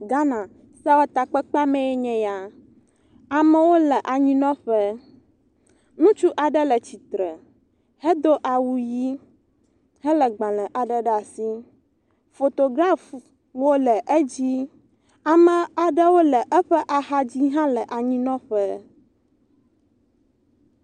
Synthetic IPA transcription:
ɡa˦nã˨ | sa˦wa˦t̪a˨k͡pɛ˦k͡pa˦mɛ̃˦jɛ˦ɲɛ̃˨ja˨ | a˨mə̃˦wo˦lɛ˨ʔa˨ɲĩ˦nɔ̃˦ɸɛ˦ | nũ˦t͡ʃu˦ʔa˨ɖə˦lə˨t͡ɕi˨t̪ɾɛ˨ | hɛ˦d̪o˦ʔa˨wu˦ji˦ | hɛ˦lə˨ɡ͡bã˨lɛ̃˨ʔa˨ɖə˦ɖa˨si˦ | fo˨t̪o˨ɡɾa˦˨f | wo˦lɛ˨ʔə˦d͡ʑi˦ | a˨mə̃˨a˨ɖə˦wo˦lɛ˨ʔɛ˦ɸɛ˦ʔa˨ɦa˦d͡ʑi˦ɦã˦lə˨ʔa˨ɲĩ˦nɔ̃˦ɸə˦

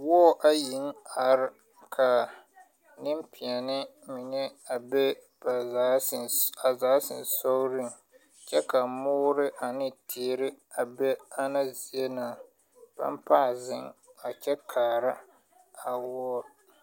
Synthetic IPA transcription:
wɔ˦ɔ˦ʔa˦ji˨˦ŋa˨ɾɪ˦ | kʰa˨ | nɪ˦mpʰɪ˨a˨nɪ˦ | mɪ˨ŋɛ˦a˨bɛ˦ | ba˨a˨˦˨a˨zaː˨˦sɪ˨n˨sɔ˦ɾɪ˦ŋ | t͡ʃɛ˦ka˨mʊ˦ɾɪ˦ʔa˨nɪ˦tʰeː˨˦ɾɪ˦ | a˨bɛ˦a˦na˦zi˨e˦naː˨ | b̥a̰˦m˦pa˦˨zɪ˦ŋa˨t͡ʃɛ˦kʰaː˨ɾa˦ | a˨wɔ˦ɔ˦

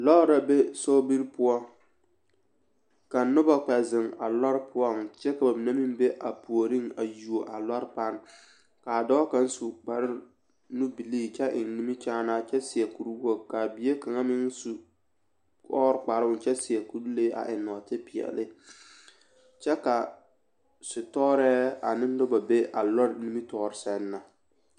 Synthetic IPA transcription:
lɔ˦ɾa˨be˦so˦bi˦ɾpʊ˦ɔ˦ | ka˨nʊ˦ba˦˨k͡pɛ˨zɪ˨ŋa̰˨lɔ˦ɾpʰʊ˦ɔ˦ŋt͡ʃɛ˦ka˨ba˨mi˨na˦mi˦m˦be˦ʔa˨pu˨o˨ɾi˦ŋa˨ju˨o˨ʔa˨lɔ˦ɾpa˦n | ka˨dɔ˦ka˦n˦su˨k͡pa˨ɾɪ˦ | nu˦bi˨liː˦˨t͡ʃɛ˦ʔɪ˨nni˦mi˦t͡ʃaː˦na˦t͡ʃɛ˦sɪ˨ɛ˨ku˨ɾu˦wo˦ka˨bi˨˦e˦ka˨ŋa˦mɪ˦ŋsu˨ | kɔː˦ɾk͡pa˨ɾʊ˨t͡ʃɛ˦sɪ˨ɛ˨ku˦ɾle˦ʔa̰˨ʔɪ˨nɔ˨tɪ˦pɪ˨ɛ̰˨lɪ˦ | t͡ʃɛ˦ka˨ | sʊ˨tɔː˦ɾɛː˦a˨nɪ˦n˦dʊ˦ba˨be˦ʔa˨lɔ˦ɾni˦mi˦tɔː˦ɾɪ˦sɛ˦nːa˨

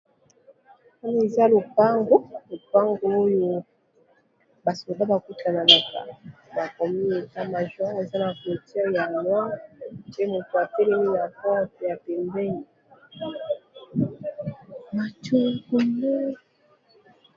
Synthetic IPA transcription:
a˦na˨e˨za˦lo˨pa˦ŋɡo˦lo˨pa˦ŋɡo˨o˦jo˦˨ | ba˨so˨ba˦ba˨ku˦ta˨na˨la˨ka̰˨ba˨kɔ˨mi˦e˨ta˦ma˨ʒwã˦e˨za˦na˨ko˨ti˦ja˨nwa˦te˦mo˨to˨a˨te˦lɛ˦mi˦na˨fɔ˦te˨ja˨pɛ˨mbɛ˦ni˨ | ma˨to˦ku˨mo˦

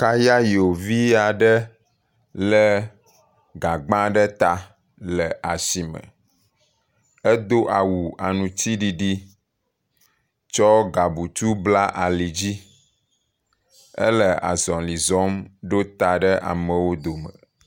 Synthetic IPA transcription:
ka˦ja˦jo˨vi˦a˨ɖə˦ | lə˦ | ɡa˨ɡ͡bã˦ɖə˦t̪a˨ | lə˨ʔa˨si˨mə̰˨ | ə˦d̪o˦ʔa˨wu˨a˨nũ˨t̪i˦ɖi˨ɖi˦ | t͡ʃɔ˦ɡa˨bu˨t̪u˦bla˦ʔa˨li˨d͡ʑi˦ | ə̰˦lə˨a̰˨zɔ̃˨li˨zɔ˦mɖo˦t̪a˨ɖə˦ʔa̰˨mə̃˨wo˦d̪o˨mə̰˨

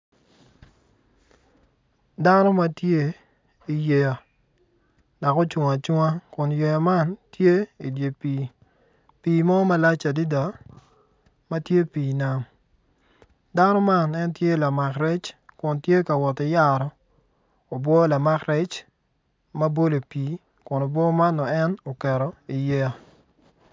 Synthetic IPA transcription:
da˦no˦ma˦tje˦ | i˨je˨ja˨ | da˨ko˦t͡ʃʊ˨ŋa˨t͡ʃu˦ŋa˦kʊ˨nje˨ja˨ma˦ntje˦i˨dje˨piː˨ | piː˨mɔ˦ma˦la˦t͡ʃa˨di˦da˨ | ma˦tje˦piː˨na˦m | da˦nɔ˦ma˦˨nɛ˦ntje˦la˨ma˨kɾɛ˦t͡ʃkʊ˨ntje˦ka˨wɔ˨tɪ˨ja˦ɾɔ˨ | o˨bwɔ˦la˨ma˦kɾɛ˦t͡ʃ | ma˦bo˦lo˨piː˨ | kʊ˨no˨bwɔ˦ma˦nːɔ˨ɛ˦no˨kɛ˨ɾɔ˨i˨je˦a˨

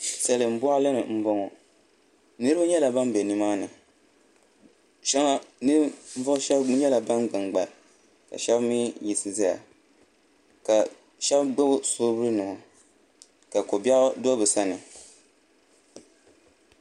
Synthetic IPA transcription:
sɛ˨lɨ˨m̩˦bʊ˦a˦lɨ˦nɨ˨m̩˦bɔ˦ŋɔ˨ | nɨ˦ɾɨ˦a˦ɲɛ˦la˨ba˦nbe˨nɨ˨maː˦nɨ̰˨ | ʃa˦ŋa˦nɨ˦vʊ˦ʃɛ˦ɲɛ˦la˨ba˦nɡ͡bɨ˨ŋɡ͡ba˨l | ka̰˨ʃɛ˦bmi˦ji˨sɨ˨za˦a̰˨ | ka˨ | ʃɛ˦bɡ͡ba˦bʊ˦soː˦bɨ˦ɾɨ˦nɨ˨ | ka˨ko˨bɛ˦ʔʊ˦do˦bɨ˨sa˦nɨ˨

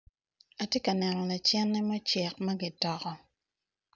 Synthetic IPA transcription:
a˨tje˦ka˨nɛ˨nɔ˨la˨t͡ʃɛ˦nːɛ˦mɔ˦t͡ʃɛ˨k̚ma˦ɡi˨tɔ˨kɔ˦

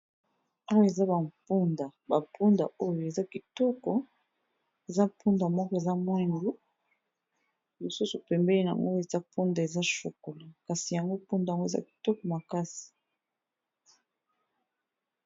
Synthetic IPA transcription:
a˦wo˦e˨za˦ba˨mpu˦nda˨ba˨pʰu˦nda̰˨ʔo˦jo˨e˨za˦ki˨tɔ˦kɔ˨ | e˨za˦pu˦nda˨mɔ˦kɔ˦e˨za˦mwɛ˦ŋɡu˦ | li˨su˦su˨pɛ˨mbɛ˦li˦na˨a̰˨ŋɡo˦e˨za˦pu˦nda˨e˨za˦ʃo˨ko˨la˨ka˨si˨ja˨ŋɡo˦pu˦nda˨a˨ŋɡo˦e˨za̰˦ki̥˨tɔ˦kɔ˨ma˨ka˦si̥˨

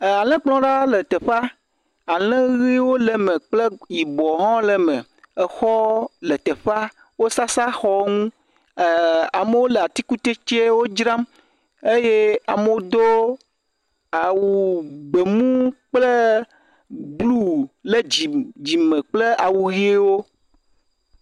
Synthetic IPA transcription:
a˨lɛ̃˦k͡plɔ̃˦ɖa˦le˨t̪e˨ɸa˦ | a˨lɛ̃˦ɣi˦wo˦lɛ˨mẽ˨k͡ple˦ji˨bɔ˨ɦɔ̃˦lɛ˨mẽ˨ | e˨xɔ˦le˨t̪e˨ɸa˦ | wo˦sa˦sa˦xɔ˦ŋũ˦˨ | a˨me˦wo˦le˨a˨t̪i˦ku˦t̪e˦t͡ʃe˦wo˦d͡ʒɾã˦m | e˦je˦a˨me˨˦wo˦d̪o˦ | a˨wu˨ɡ͡be˨mũ˦k͡ple˦ | ɡ͡blu˦le˦d͡ʑi˨d͡ʑi˨mẽ˨k͡ple˦a˨wu˨ɣi˦e˦wo˦

